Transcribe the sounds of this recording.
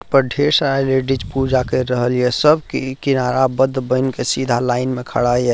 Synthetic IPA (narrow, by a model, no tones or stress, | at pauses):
pəɾɖʱeɾsɾaleɖid͡ʒpud͡ʒakəɾəɦəlijɛsəbʱkikinaɾabəd̪ʱːbəjnkesid̪ʱalaɪnmekʰə̰ɽajɛ